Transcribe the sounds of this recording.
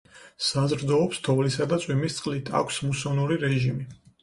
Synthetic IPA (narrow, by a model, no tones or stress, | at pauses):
sazɾd̪ɔːpst̪ʰɔvlisad̪at̪sʼwimist̪sʼqʼlit̪ʰa̰kʷʰsmusɔnuɾiɾɛʒimi